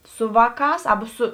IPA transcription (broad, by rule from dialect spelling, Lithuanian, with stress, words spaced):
ˈsʊ ˈʋɑːˌkɑːs ˈɑːbɐ ˈsʊ